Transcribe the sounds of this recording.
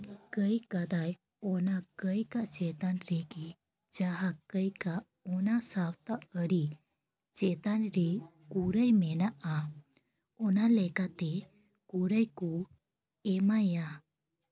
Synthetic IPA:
kəjkad̪aj | ɔnakəjkaʔt͡ʃɛt̪anɾɛɡi | d͡ʒaɦakəjkaʔ | ɔnasawt̪aʔəɽi | t͡ʃɛt̪anɾɛkuɾəjmɛnaʔa | ɔnalɛkat̪ɛ | kuɾəjku | ɛmaja

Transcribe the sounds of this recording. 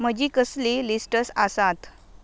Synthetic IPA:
m̤əd͡ʑiːkəslilisʈəsasat̪

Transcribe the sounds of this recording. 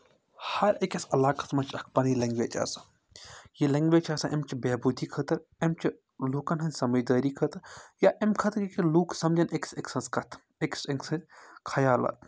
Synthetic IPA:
hɐɾekʲɐsɐlaːkɐsmɐt͡ʃʰɐkʰpɐnjilɐŋɡʋeːt͡ʃɐ̰sḁ | jelɐŋɡʋeːt͡ʃʰɐːsɐ̃ʔɐmt͡ʃʰibeːbud̪ʱiːkʰɐt̪ɐɾemt͡ʃʰi | luːkɐnɦɐnʲsɐmɐd͡ʒd̪aːɾikʰɐt̪ɐɾjaːʔemkʰɐt̪ɾikiluːksɐmd͡ʒɐnekseksɐnskʰɐt̪ʰ | ekseŋɡsɐnkʰɐjaːlɐ̰t̪̚ʰ

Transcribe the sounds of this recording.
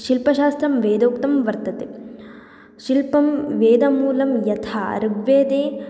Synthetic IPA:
ʃilpɐʃaːst̪ɾɐmʋeːd̪oːkt̪ɐmʋɐɾt̪ɐt̪e | ʃilpɐmʋeːd̪ɐmuːlɐmjɐt̪ʰaːɐ̰ɾbʋeːd̪eː

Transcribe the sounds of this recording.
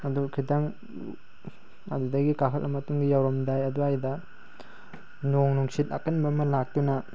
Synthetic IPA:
ɐdukʰidaŋ | a̰dudɐɡikakʰɐlʔɐmɐtuŋɡijawɾɐmdajɐduajdɐ | noŋnuŋsit̚ɐ̰kɐnbɐmɐlak̚tunɐ

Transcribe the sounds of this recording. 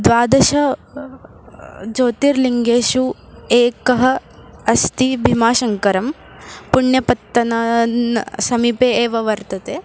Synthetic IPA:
d̪ʋaːd̪ɐʃɐ | d͡ʒoːt̪iːɾliŋɡeːʃueːkɐɦɐ̆ɐst̪ibʱimaːʃɐŋkɐɾɐm | puɳjɐpɐt̪ːɐnɐnsɐmiːpeːeːʋɐʋɐɾt̪ɐt̪eː

